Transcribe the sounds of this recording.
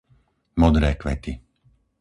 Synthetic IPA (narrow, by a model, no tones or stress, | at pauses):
mɔd̪ɾɛːkʋɛ̰t̪i